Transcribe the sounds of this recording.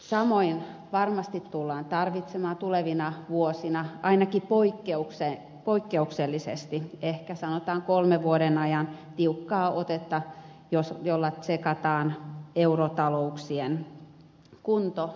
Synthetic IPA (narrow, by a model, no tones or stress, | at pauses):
sɑmoinʋɑrmɑst̪it̪tulːɑːnt̪ɑrʋit̪semɑːnt̪uleʋinɑʋuosinɑʔɑinɑkipoikːeukse | poikːeukselːisḛst̪iehkæsɑnot̪ɑːŋkolmeʋuoɾenɑjɑnt̪iukːɑːʔot̪et̪ːɑ | josjolːɑsekɑt̪ɑːneurot̪ɑlouksien | kunt̪o